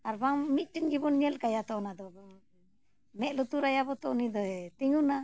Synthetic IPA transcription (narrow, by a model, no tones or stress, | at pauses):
aɾbaŋmit̪̚ˀʈinɡibɔnɲɛlkajat̪ɔnad̪ɔbaŋ | mɛʔlut̪uɾajabɔt̪ɔ̰ʔnid̪ɔɛt̪iŋuna